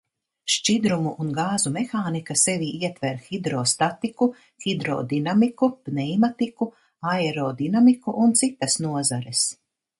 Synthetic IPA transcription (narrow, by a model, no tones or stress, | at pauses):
ʃt͡ʃid̪ɾumuʔːnɡaːzumexaːnikasɛviːʔiɛt̪vɛɾxid̪ɾɔst̪at̪iku | xid̪ɾɔ̰ːd̪inamikub̥nɛjmat̪iku | aɛɾɔːd̪inamikuʔunt̪sit̪ɐsnuɔzaɾɛs